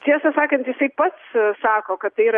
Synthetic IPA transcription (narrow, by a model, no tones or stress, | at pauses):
t̪ʲiɛsɐsɑːkɐnt̪jɪsɐɪpɐt̪ssɑːkoːkɐt̪t̪ːɐɪiːɾɐ